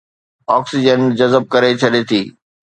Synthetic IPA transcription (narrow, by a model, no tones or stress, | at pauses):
ɔːksid͡ʑənd͡ʑɐzəb̚kɐɾet͡ɕʰɐɗet̪ʰiː